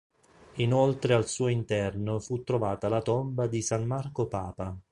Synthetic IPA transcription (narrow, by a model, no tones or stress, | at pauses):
inolt̪ɾealsuːoint̪ɛrnofut̪ːɾovaːt̪alat̪ombad̪isanmarkopaːpa